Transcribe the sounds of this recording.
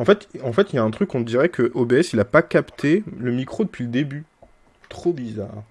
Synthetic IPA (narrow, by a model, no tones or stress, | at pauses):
ɑ̃fɛt̪ɑ̃fɛt̪iljaɛ̃t̪χykːɔ̃d̪iʁɛkʰəʔobeɛsilapakapt̪ʰeləmikχod̪əpɥiləd̪eby | t̪χobiza̰ːʁ